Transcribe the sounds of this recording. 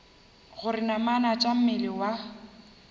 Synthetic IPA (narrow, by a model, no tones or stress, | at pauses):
ɣʊɾɪnamanat͡ʃʼam̩mɪlɪwa